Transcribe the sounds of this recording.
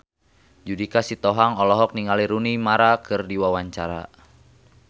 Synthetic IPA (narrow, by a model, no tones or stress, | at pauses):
d͡ʒudikasit̪ɔɦaŋɔlɔɦɔk̚niŋaliɾunimaɾakʰɨrdiwawaɲt͡ʃaɾa̰